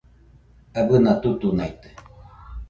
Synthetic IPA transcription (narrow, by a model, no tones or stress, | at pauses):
abɨnat̪ut̪unajt̪ɨ̥